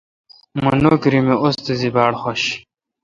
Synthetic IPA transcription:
munoːkɾimeʔost̪ezibaːɽχoɕ

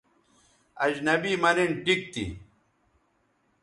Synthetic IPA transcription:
ɐd͡ʑnɐbiːmɐneɳʈik̚t̪ḭ

